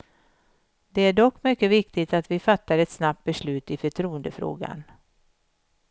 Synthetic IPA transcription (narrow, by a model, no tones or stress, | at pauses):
d̪ɛæɖɔkːmʏkːəvɪkt̪ɪt̪at̪vɪfat̪ːaɾɛt̪snap̚t̪̚bɛʂɭʉ̟ːt̪ɪfœʈʰɾuːənd̪əfɾo̰ːɡa̰n